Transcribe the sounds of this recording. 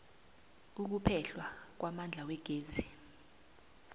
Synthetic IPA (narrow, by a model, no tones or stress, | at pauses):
uk̬upʰɛɬwak̬wamand͡ɮʱawɛɡ̥ʱeːzi